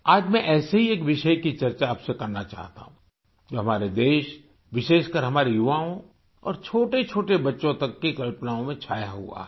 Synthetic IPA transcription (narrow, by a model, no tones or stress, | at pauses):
aːd͡ʒmɛ̃ʔɛːseɦieːkʋɪʃəjkit͡ʃɐɾt͡ʃaːpsekɐɾnat͡ʃa̰ːɦt̪a̰ɦũ | d͡ʒoːɦɐmaːɾed̪eːʃ | ʋɪʃeːʃkɐɾɦɐmaːɾejʊʋaːõ | ɔ̰ːɾt͡ʃʰoːʈet͡ʃʰoːʈebɐtːʃõt̪ɐkːekɐlpnaːõmẽt͡ʃʰaːjaɦṵa̰